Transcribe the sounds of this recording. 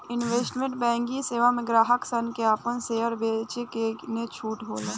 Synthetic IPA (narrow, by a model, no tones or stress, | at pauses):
ɪnʋeːsʈmẽɳʈ̚bɛ̃ːŋɡiseːʋamẽɡɾaːɦəksənkeaːpənseːəɾbeːt͡ʃekenet͡ʃʰuːʈɦoːleː